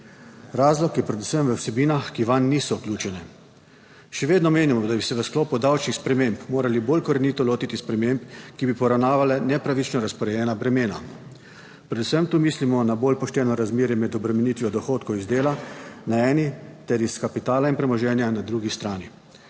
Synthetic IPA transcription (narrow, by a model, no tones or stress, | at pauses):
ɾaːzlɔkjɛpɾɛd̪usəmʋəwsɛbiːnaxkiʋanːiːsɔuklʲuːt͡ʃɛnɛ | ʃɛʋeːd̪nɔmeːnimɔd̪abisɛʋəsklɔːpud̪awt͡ʃnixspɾɛmempmoːɾaliboːlkɔɾɛniːt̪ɔloːt̪it̪ispɾɛmempkibipɔɾawnaːʋalɛnɛpɾaʋit͡ʃnɔɾaspɔɾɛjɛːnabɾɛmeːna̰ | pɾɛd̪usəmt̪uːmiːslimɔnaboːlpɔʃt̪ɛːnɔɾazmeːɾjɛmɛd̪ɔbɾɛmɛnit̪ʋiɔd̪ɔxoːt̪kɔwizd̪eːlanaɛːnit̪ɛɾiskapit̪aːlainpɾɛmɔʒɛːnjanad̪ɾuːɡist̪ɾaːni